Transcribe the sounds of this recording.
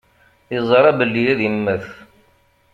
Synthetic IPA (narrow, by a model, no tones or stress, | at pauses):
əzˤəɾˤæbəlːijæðəmːəθ